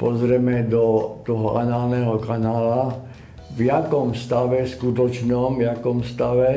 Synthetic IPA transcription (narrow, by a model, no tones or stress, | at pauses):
pɔzɾɛmɛd̪ɔt̪ɔɦɔa̰naːlnɛɦɔkanaːla | vjakɔmst̪aʋɛskut̪ɔt͡ʃnɔmvjakɔmst̪aʋɛ